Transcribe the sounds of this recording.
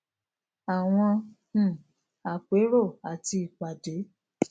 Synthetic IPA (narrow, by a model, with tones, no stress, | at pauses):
a˨w̃ɔ̃˧˨ | a˨k͡pe˨˦ɾo˦˨a˨ti˧i˨k͡pa˨de˨˦